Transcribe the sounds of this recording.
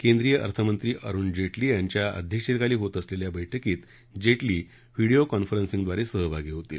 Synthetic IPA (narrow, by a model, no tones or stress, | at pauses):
kend̪ɾijəʔə̰ɾt̪ʰəmənt̪ɾiːʔəɾuːnd͡ʑeʈliːjaɲt͡ɕjaə̰d̪ʱjəkʂet̪kaliːɦot̪əsleljabəjʈʰəkiːt̪ | d͡ʑeʈliː | ʋiɽiokɔnfəɾənsĩŋɡd̪ʋaɾesəɦəbaɡiɦot̪ḭl